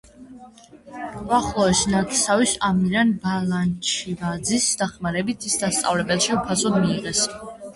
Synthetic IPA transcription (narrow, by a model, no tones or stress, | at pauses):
aχlˠɔɛsnat̪ʰsavisamiɾanbalant͡ʃʰivad̪zisd̪aχmaɾɛbit̪ʰisd̪ast̪sʼa̰vlɛbɛlˠʃiupʰasɔd̪miːʁɛs